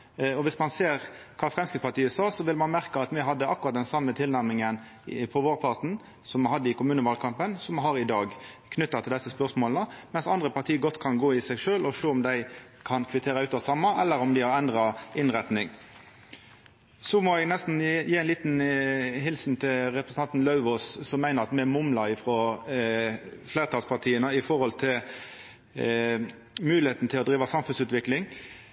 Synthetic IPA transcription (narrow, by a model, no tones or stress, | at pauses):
ɔʋɪsmɑnseːʁ | kʰɑːfʁɛmskɪt̪pɑʁt̪iːəsɑːʁsɔʋɪlmɑnmæʁkəɑt̪mɛɦɑd̪ːəɑkːʉɾʁɑt̪̚d̪ɛnsɑmːət̪ʰɪlnæʁmɪŋən | pʰɔʋoːɾpʰɑʁt̪ɳ̩ | sɔmɑɦɑd̪ːəɪkʊmʉːnəʋɑlkʰɑmpənsɔmhɑʁɪd̪ɑːɡkʰnʏt̪ːɑt̪ʰɪld̪ɛsːəspœʁsmoːlnəmɛnsɑnd̪ʁəpʰɑʁt̪ʰiːəɡɔt̪ːkʰɑnɡoːɪsæɪɡʂøːlɔʂøːɔmd̪æɪ | kʰɑnkʰʋɪt̪ʰeːɾəʉːt̪ɑsɑmːɑʔɛlːəɾɔmd̪ɪhɑʁɛnd̪ʁɑɪnʁɛt̪nɪŋ | sɔmɔɛɡnɛst̪n̩jeːæɪnliːt̪nɦɪlsn̩t̪ʰɪlʁɛpʁəsənɑnt̪n̩lɑʉʋɔssɔmːæɪnəʁɑt̪mɛmʊmlɑɪfɾɔ | fleːɾət̪ʰɑlspʰɑʁt̪ʰiːənəɪfɔɾhɔlt̪ʰɪl | mʉːlɪheːt̪n̩ət̪ʰɪlɔd̪ɾiːʋɑsɑmfʉnsʉːt̪ʋɪklɪŋ